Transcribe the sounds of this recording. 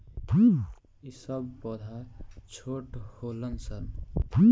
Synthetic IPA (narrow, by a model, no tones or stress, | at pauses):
isəbpɔd̪ʱat͡ʃʰoʈholənsʌɾn